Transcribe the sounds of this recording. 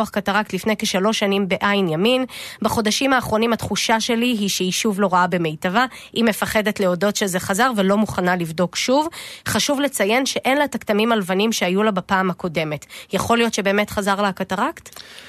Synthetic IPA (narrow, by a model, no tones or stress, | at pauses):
aχkataʁaktlifne̞jkeʃalo̞ʃːanimbe̞ʔajnjaminbaχo̞daʃimaːχʁo̞nimatχuʃaʃe̞liɦiʃeiʃuvlo̞ʁaabe̞mejtava | ʔime̞faχe̞detle̞o̞do̞tʃezeχazaʁvelomuχanalivdo̞kʃuvχaʃuvle̞t͡saje̞nʃe̞ʔe̞nlataktamimalvanimʃeajulabapaːmhako̞de̞me̞tjaχo̞lijo̞tʃebe̞ːme̞tχazaʁlaakataʁakt